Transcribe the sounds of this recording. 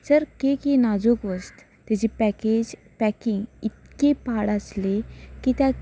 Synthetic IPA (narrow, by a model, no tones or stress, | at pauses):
səɾkekenad͡zukʋəst̪ | t̪ad͡ʑipɛked͡ʑ | pɛkiŋɡit̪̚kepaɽaslekit̪ja